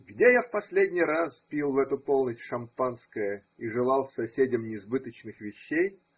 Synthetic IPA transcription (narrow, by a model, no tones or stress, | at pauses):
ɡdʲejafpɐsʲlʲedʲnʲɪjɾaspʲilˠvɛt̪ʊpolˠnʲətʲʂɐmpanskəjə | iʐɨlˠɑlˠsɐsʲedʲɪmnʲɪːzbɨt̪ət͡ɕnɨxvʲɪɕːej